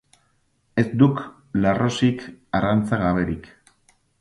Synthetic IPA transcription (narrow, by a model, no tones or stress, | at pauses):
e̞zd̪uk | larosikarant͡saɣaβe̞ɾik